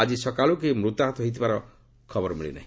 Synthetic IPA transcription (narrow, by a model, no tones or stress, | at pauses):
ad͡ʒisɔkaluk̬imɾut̪aɦɔt̪ɔɦoijt̪ʰibaɾɔ | kʰɔbɔɾɔmiɭḭna̰ɦĩ